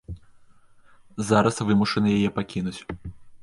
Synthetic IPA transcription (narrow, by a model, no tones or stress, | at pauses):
zaɾɐsvɨmuʂɐnɨjajɛpakʲinut͡sʲ